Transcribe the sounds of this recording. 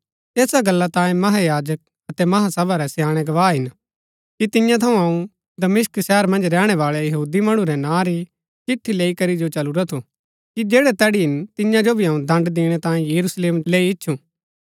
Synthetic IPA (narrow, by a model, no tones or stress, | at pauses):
eːsaɡɐlːat̪ãːjẽmɐɦajaːd͡ʒək̚ | ɐt̪ɛmɐɦasɐbaɾɛsjaːɽ̃ɛɡɐʋaːɦɪn | kit̪ɪjãt̪ʰɐũɦɐũ | d̪ɐmɪsksɛːɾmɐ̃nd͡ʒɾɛːɽ̃ɛʋaːɭɛjɐɦuːd̪imɐɽ̃ũɾɛnãːɾi | t͡ʃɪʈʰːileːikɐɾid͡ʒot͡ʃɐluɾat̪ʰu | kid͡ʒeːɽɛt̪ɛːɽiɦɪnt̪ɪjãd͡ʒobʱiɐũd̪ɐ̃ɳɖd̪eːɽ̃ɛt̪ãːjẽjɐɾusleːmleːiɪtːʃʰũː